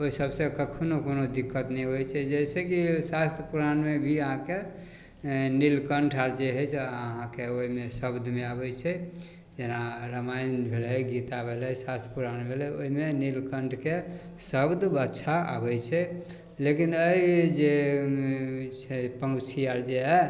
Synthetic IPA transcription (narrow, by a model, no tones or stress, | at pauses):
oisəbsẽkəkʰonokonod̪ikːət̪nɛɦojt͡ʃʰɛd͡ʒɛsekisast̪ʰəpuɾanmebʱiəɦãke | nilkəɳʈʰaɾd͡ʒeɦɛt͡ʃʰəɦãkeoimesəbd̪ʱmeabɛt͡ʃʰɛ | d͡ʒenaɾəmajnbʱelɛjɡit̪abʱelɛsast̪ʰɾəpuɾanbʱelɛoimenilkəɳʈʰke | səbd̪ʱbətːʃʰaa̰bɛt͡ʃʰɛ | lekinəid͡ʒe | t͡ʃʰɛpə̃t͡ʃʰiaɾd͡ʒeɦɛ